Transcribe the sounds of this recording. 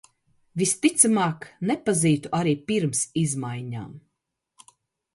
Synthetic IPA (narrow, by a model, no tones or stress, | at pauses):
vist̪it̪samaːknɛpaziːt̪uaɾiːpiɾmsizmajɲa̰ːm